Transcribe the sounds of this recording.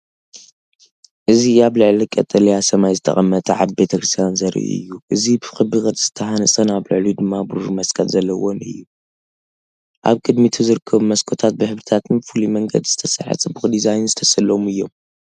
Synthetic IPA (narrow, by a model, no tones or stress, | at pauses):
ʔɨziaβlɨʕlikʼɐt̪ʼɐlijasɐmajzɨt̪ʰɐ̰χʼɐmːɐt̪ʼɐʕaβbe̞t̪ʰɐkʰɾɨst̪ʰijanzɐɾʔḭʔɨ̰jːuʔɨzibɨxɨbikʼɐt̪z̥ɨt̪ʰːɐħanɨsʼɐnaβlɨʕlid̪ɨmːabɨɾumɐskʰɐlzɐlːɐwonɨ̰jːu | ʔa̰βkʼɨd̪mit̪ʰuzɨɾɨkʰːɐβmɐskʰo̞t̪ʰat̪̚bɨħɨβɾɨt̪ʰat̪ʰɨnfulimɐŋɡɐ̰d̪zɨt̪ʰɐsɐ̰ħɨ̰t͡sʼɨbɨxd̪izajnzɨt̪ʰɐsɐlːomɨjːo̞m